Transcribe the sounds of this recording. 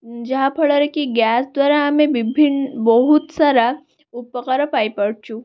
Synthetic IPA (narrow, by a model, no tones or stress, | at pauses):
d͡ʒaɦapʰəɭəɾekiɡjasd̪ʋaɾaːmẽʋibʱinbəɦut̪saɾa | upəkəɾəpajpəɽt͡ɕu